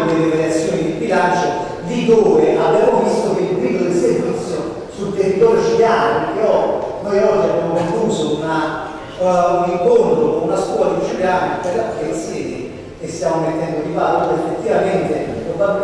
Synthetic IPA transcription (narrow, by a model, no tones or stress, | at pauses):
d̪elevalat̪sːjoːnid̪ibilant͡ʃo | d̪id̪oːveʔabjaamovist̪okeilpɾiod̪esemit̪sjo | sult̪erːit̪ɔːɾjot͡ʃiljaːnopekeɔnojɔd͡ʒːiabjamopeŋkuːsouna | uniŋkont̪ɾokonunaskwɔːlad̪it͡ʃiljaːnoperlafɛilsɛːd̪e | kest̪jamomet̪ːɛnd̪od̪ivaloefːet̪ːivament̪ekova